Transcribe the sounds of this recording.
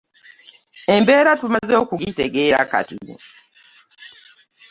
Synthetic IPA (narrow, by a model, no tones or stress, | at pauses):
embe̞ːɾatumazo̞ːkuɡiteɡe̞ːɾa̰ka̰tḭ